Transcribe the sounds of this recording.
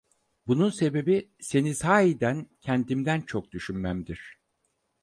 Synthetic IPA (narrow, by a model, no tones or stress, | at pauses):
bununse̞be̞bise̞nisaːid̪æncʰɛnd̪imd̪ænt͡ʃʰo̞k̚d̪yʃynmæmd̪iɾ̥